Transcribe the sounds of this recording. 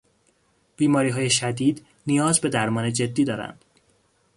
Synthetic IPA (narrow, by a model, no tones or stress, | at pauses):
b̥iːmɒːɾiːɦɒːje̞ʃæd̪iːd̪ | nijɒːzbe̞d̪æɾmɒːne̞d͡ʒe̞d̪ːiːd̪ɒːɾæ̰nd̪̥